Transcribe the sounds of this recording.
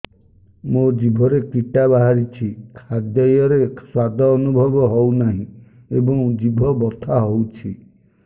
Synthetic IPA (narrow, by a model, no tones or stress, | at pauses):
mod͡ʒibʱɔɾekiʈabaɦaɾit͡ʃʰikʰad̪jɔjɔɾesad̪ʱɔːnubʱɔbɔɦownaɦĩ | ebɔ̃ŋd͡ʒibʱɔbɔt̪ʰaɦowt͡ʃʰi